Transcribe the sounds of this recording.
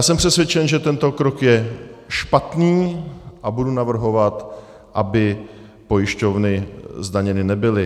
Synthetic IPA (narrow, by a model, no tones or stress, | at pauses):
aːsɛmpr̥ɛsvjɛt͡ʃɛnʒɛt̪ɛnt̪o̞kɾokjɛʃpat̪niːʔabudunavr̩ɦo̞vat̪ | ʔabɪ | po̞jɪʃco̞vnɪzdaɲɛnɪnɛbɪlɪ